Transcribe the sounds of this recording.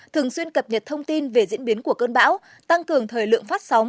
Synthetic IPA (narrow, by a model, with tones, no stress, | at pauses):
t̪ʰɨ˨˩əŋswi˧ənkə˨˩p̚ɲə˨˩t̚t̪ʰə˧wŋ͡mt̪i˧nve˨˩zḭ˧˥nɓi˨˦ənku˧˩əkəː˧nɓa̰ː˧˥w | t̪a˧ŋkɨ˨˩əŋt̪ʰəː˨˩jlɨ̰˧˨əŋfaː˦˥t̚sa˨˦w